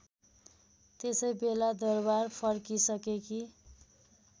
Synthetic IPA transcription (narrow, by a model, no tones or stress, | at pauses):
t̪esʌjbelad̪ʌrbarpʰʌrkisʌkekʰi